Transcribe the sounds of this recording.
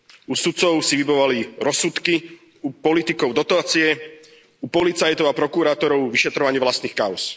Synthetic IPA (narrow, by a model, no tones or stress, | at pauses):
usut̪t͡sɔʊsiʋibɔʋaliɾɔsut̪ki | upɔlit̪ikɔʊd̪ɔt̪aːt͡siɛ | upɔlit͡sajt̪ɔʊapɾɔkuɾaːt̪ɔɾɔʊʋiʃɛt̪ɾɔʋaɲɪɛʋlast̪niːxkaʊs